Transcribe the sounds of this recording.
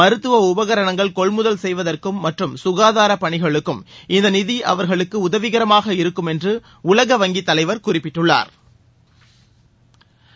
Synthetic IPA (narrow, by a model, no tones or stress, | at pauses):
mɐɾɯt̪ːɯʋɐʊbɐɣɐɾɐɳɐŋɡɐɭkɔɭmʊðɐlsɛjʋɐðɐrkɯmːɐʈrɯmsʊɣaːðaːɾɐpɐɳɪɣɐɭɯkːɯmɪnd̪ɐnɪðiʔɐ̰ʋɐɾɣɐɭɯkːɯʊðɐʋɪɣɐɾɐmaːɣɐɪɾɯkːɯmɛndrɯ | ʊlɐɣɐʋɐŋɡit̪ːɐlɐɪʋɐɾkʊrɪpːɪʈːɯɭːa̰ːɾ